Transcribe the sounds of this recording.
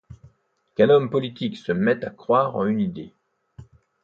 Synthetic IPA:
kɛ̃nɔmpɔlit̪iksəmɛt̪akχwaʁɑ̰̃ynid̪e

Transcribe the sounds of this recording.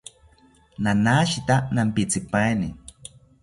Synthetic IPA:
nanaʃit̪anampit͡sipaenḭ

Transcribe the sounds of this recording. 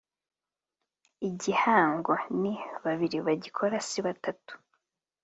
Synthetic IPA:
iɟihaːŋɡo̞niβaβiɾiβaɟikʰo̞ɾasiβatatu̥

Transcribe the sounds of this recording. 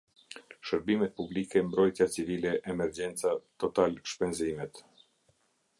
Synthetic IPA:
ʃəɾbimɛt̪̚publikɛmbɾɔjt̪jat͡sivilɛʔːmɛɾd͡ʑɛnt͡sat̪ɔt̪alʃpɛnzimɛt̪

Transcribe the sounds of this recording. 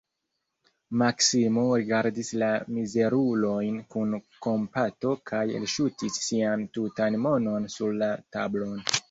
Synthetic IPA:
maksimoɾiɡaɾdislamize̞ɾulo̞jnkunko̞mpato̞kʰajḛlʃutisːiantutanmo̞no̞nsuɾlata̰blo̞n

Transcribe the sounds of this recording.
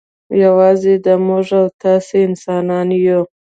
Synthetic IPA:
jawɑzed̪əmʊʐawt̪ɑseɪnsɑnɑnju

